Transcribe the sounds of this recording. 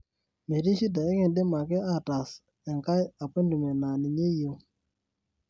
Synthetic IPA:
me˨ɾi˦ʃi˦d̬a˨e˦ŋe˨nde˦ma˨ke˦a˦˨ta˨s | ɛ˨ŋka˦ja˨pe˦ndu˨me˨na˨ni˨ɲe˦jo˦

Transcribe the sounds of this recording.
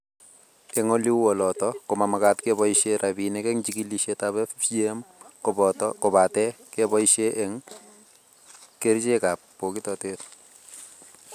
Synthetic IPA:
ɛ˨ŋɔ˦li˦wɔ˨lɔ˨tɔkʊ˨ma˨maka˦tkebɔiʃeɾabi˨nɛkɛ˦ŋt͡ʃiki˦liʃetaβɛ˦fjemktkɔ˨ba˨tɛ˦kebɔ˦iʃe˦ʔɛ˨ŋ | ke˦ɾt͡ʃe˦ka˨pːo˨ki˦tɔ˨tet

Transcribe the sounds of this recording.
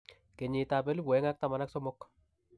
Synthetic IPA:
ke˨ɲɪ˨ta˨pɛ˦li˦pwɛ˨˦ŋa˦k̚ta˨ma˨na˦ksɔ˦mɔ˦k

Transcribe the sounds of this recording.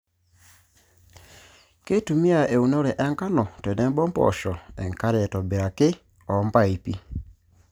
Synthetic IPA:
ke˦tu˨mi˦a˨e˨u˨no˦ɾɛ˨ʔɛ˦ŋka˦nɔ˨tɛ˨nɛ˦mbɔ˦mpɔ̰˨ʃɔ˨ɛ˨ŋka˦ɾɛ˨tɔ˨be˨ɾa˨kɪ˦ | ɔ˨˦mba˦i˨pi˦

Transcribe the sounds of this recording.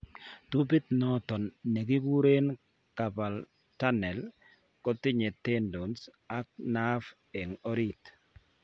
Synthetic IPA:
t̪u˦bi˦t̪nɔ˦t̪ɔ˨nːe˨ɡi˦wu˦ɾe˦n | ka˨ba˨l | ta˦nɛ˨l | kɔ˦t̪ɪ˦ɲe˨t̪e˦ndo˨ns | a˦k̚na˦f | e˨ŋɔ˦ɾi˦t̪

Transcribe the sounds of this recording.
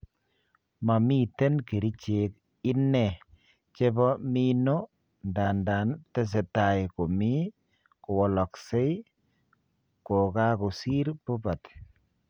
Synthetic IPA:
ma˨mi˦tɛ˦nke˨ɾi˦t͡ʃe˨k | ɪ˦nːɛ˨ | t͡ʃe˦bɔ˦mi˦no˦ | nda˨nda˨ntɛ˦s̬ɛ˨ta˨jko˨mi˦ | kʊ˨wɔ˨lɔ˨kse˦j | ko˨ka˦ku˨si˦ɾbo˦ba˨t

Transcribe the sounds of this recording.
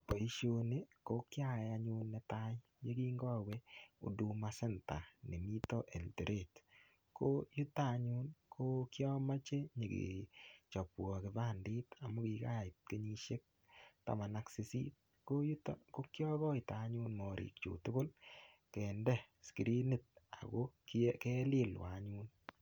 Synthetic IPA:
po˨i˦ʃo˦ne˦ko˦kja˦ɛ˨a˦ɲu˦nːɛ˦ta˦ɲ | je˦kiː˦ŋɡɔ˦we˦o̰˨du˨ma˦sɛ˦nta̰˨ne˨mi˦tɔ˦ʔe˨lte˨ɾʔe˨t | ko˦ju˦ta˦˨ɲu˦nkʰo˦kjɔ˦ma˦t͡ʃe˦ɲe˨kḭ˨t͡ʃɔ˨pwɔ˨kɪ˨ba˦˨ndi˦ta˨mʊ˦ki˨ka˦˨ɪ˨t̚ke˦ɲi˦ʃe˦k̚ | ta̰˨ma˨na˦ksi˨˦sḭ˦t̚ | ko˦ju˦tko˦kjɔ˦ɣɔ˦ɪ˨ta˨˦ɲu˦nmɔ˨ɾʔḭ˨k̚t͡ʃo̰˨tʊ˦ko˦l | kɛ˨ndɛ˦ | ski˨ɾi˦ne˨t̚a̰˨ɣo˦kkɛ˦lɪ˦lwa̰˨˦ɲu˦n

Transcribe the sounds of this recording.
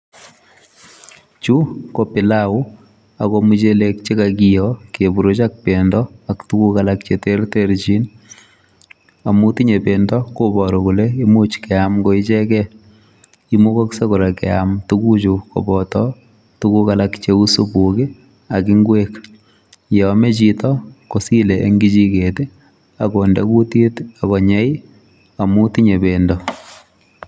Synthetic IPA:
t͡ʃu˦kopɪ˨lau˦ | a˨komut͡ʃele˦k̚t͡ʃe˦kakijɔke˨bu˨ɾo˦t͡ʃak̚pe˨ndɔ˦a˨ktu˦ku˦kalak̚t͡ʃete˦rteɾt͡ʃi˦n | a˨mu˦ti˦ɲe˨pe˨ndɔ˦ko˦bɔ˨ɾɔ˨ku˨le˦i˦mu˦t͡ʃkɛ˨amko˦i˦t͡ʃɛ˦kɛ | i˦mu˦kɔ˦kse˦kʊɾe˨kɛ̰˨a̰mtu˦ku˦t͡ʃukɔ̰˨bɔtɔ | tu˦ku˦kalakt͡ʃeu˦su˦bukɪ˦ | a˨ki˦ŋɡweːk | jɔme˦t͡ʃitɔko˨si˦leʔḛ˦ŋɡit͡ʃi˦kete˦ | a˨ko˨nda˦ku˦ti˦ta˨kɔ˨ɲɛ˦j | a˨mu˦tiɲe˨bendɔ

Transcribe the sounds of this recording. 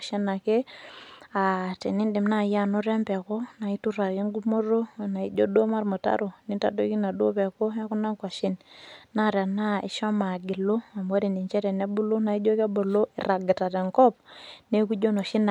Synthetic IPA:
ʃi˦na˨ke˦ | a˨tɛ˨ni˦ndi˨mna˦˨˦ja˨nu˦ɾɛ˦mpɛ˨ko˦na˨i˦tu˦ɾa˨ki˦ŋɡu˦mo˦ɾo˦˨na˨i˦d͡ʒo˦do˦ma˦ɾmu˨ta̰˦ɾo˨ni˦nta˦do˦ki˦na˨do˦pɛ˨ko˦a˦ku˦na˦ŋkwa˨ʃi˦nna˦˨ɾɛ˨na˦ḭ˨ʃa˦ma˨ɡi˨lo˦a˨m˨wa˦ɾi˨ndi˨nt͡ʃɛ˦ɾɛ˨nɛ˦bu˦lo˦na˨i˦d͡ʒo˦ke˦bo˨lo˦ḭ˨ɾa˨ɡi˨ta˨tɛ˨ŋkɔ˦p̚ne˦ku˦d͡ʒo˦no˨ʃi˦na˨

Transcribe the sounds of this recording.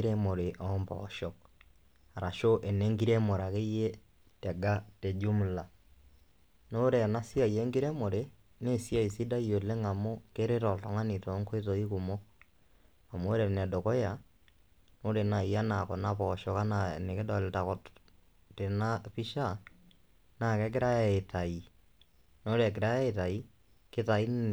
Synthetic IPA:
ɾɛ˦mo˨ɾe˨ʔɔ˦mbɔ̰ʃɔ˨k̚ | a˨ɾa˨ʃo˦ʔɛ˨nɛ˦ŋɡi˦ɾɛ˦mo˨ɾa˨ke˦je˦ | tɛ˨ɡa˦tɛ˨d͡ʒu˦m˨la˨ | no˦o˦ɾɛ˨na˦si˦a˦˨je˦ŋɡi˦ɾɛ˦mo˨ɾe˨ | ne˦˨sja˦˨i˨si˦da˦jo˨le˦ŋa˨mo˦ke˦ɾe˦ɾɔ˨ltɔ˨ŋa˦ni˨tɔ˨˦ŋko˦e˦tɔ˨i˦ku˨mɔ˦ | a˨mo˦ɾɛ˨nɛ˨do˨kɔ˦ja˨ | no˦ɾe˨na˨i˨a˦na˨kɔ˨na˦pɔ˨ʃɔ˨ka˦na˨ne˨ke˦dɔ˨lta˨kɔ˨t | te˨na˦pi˦ʃa˦ | na˨kɛ˦k̬ɪ˦ɾa˦ɛ˨e˨ta˨i˨ | no˦o˦ɾɛ˨k̬ɪ˨ɾa˦ɛ˦e˨ta˨i˦ | ke˦ta˨i˦n˨

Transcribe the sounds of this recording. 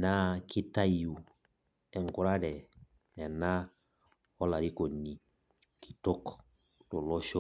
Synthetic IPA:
na˦ki˦ta˦ju˨ | ɛ˨ŋ˨ku˨ɾa˦dɛ˨ | ɛ˨na˦ | ɔ˦la˨ɾi˦ko˨ni˨ | kʰi̥˨to˦k | to˨lɔ˦ʃo˦

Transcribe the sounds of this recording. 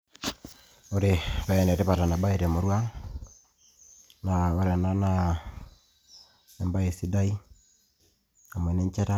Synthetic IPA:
o˦ɾe˨βɛ˨nɛ˨ɾe˦βa˨ɾa˨na˨ba˦e˨ɾɛ˨mo˨ɾwa˦ | na˨o˦ɾɛ˨na˦na | ɛmba˦e˨si˦da˦i˦ | a˨mwɛ˨nɛ˦ɲt͡ʃɛ˦ta˦

